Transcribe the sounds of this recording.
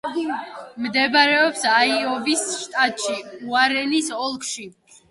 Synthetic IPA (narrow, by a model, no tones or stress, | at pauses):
md̪ɛbaɾɛɔpsaiɔvisʃt̪ʼat̪ʼʃiuaɾɛnisɔlˠkʰʃi